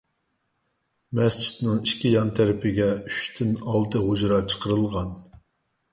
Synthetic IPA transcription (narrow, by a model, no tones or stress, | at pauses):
mɛst͡ʃʰi̥t̪nɪŋiʃkʲijɑnt̪ʰæɾɪpʰɪɡʲɛyʃt̪ʰynɑlˠt̪ɨɦod͡ʒɾɑt͡ʃʰə̥qʰəɾɨlˠʁɑn